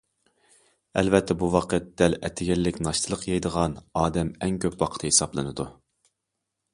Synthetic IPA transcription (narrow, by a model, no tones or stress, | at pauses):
ɛ̰lvɛt̪ʰːɛbuwɑqʰət̪̚d̪̥ɛlɛt̪ʰːɪɡʲɛlːɪkʲnɑʃt̪ʰɨlˠəqjɑjd̪əʁɑnɑːd̪ɛmɛŋkʲʰøpwɑqʰə̥t̪ʰɨhesɑblˠɨnɨd̪u